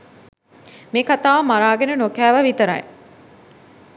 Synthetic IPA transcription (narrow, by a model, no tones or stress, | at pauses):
meːkat̪aːʋɐmaɾaːɡenənokæːʋɐʋit̪əɾɐ̰j̰